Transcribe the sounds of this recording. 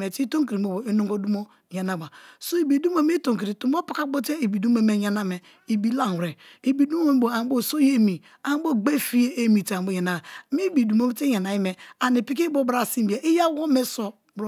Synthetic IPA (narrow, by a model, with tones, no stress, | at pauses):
e˨ti˦to˦ŋki˨ɾi˨˦o˨bo˨e˦no˦ŋɡo˦du˦mo˦ | ja˨na˦ba˨so˦i˨bi˨du˦m˦o˦mi˦to˨ŋki˨ɾi˨tu˨m˦o˦pa˦ka˦bo˦te˦i˨bi˨du˦mo˦me˦˨ɲa˨na˦me˨ | i˨bi˦la˦n˨ɾe˨ | i˨bi˨du˦mo˦bo˨a˨˦bo˦˨so˦je˦mi˨ | a˨ŋ˦bo˦ɡ͡be˦fi˦je˦e˦mi˨ta˨bo˦ja˨na˨a˨mi˦bi˨du˨m˦o˦bte˦ja˨na˨ji˦me˨a˨ni˨pi˦ki˦bo˦bɾa˨si˦m˦bi˨a˨ʔi˦ja˦ɡo˦me˦so˨ | bɾo˦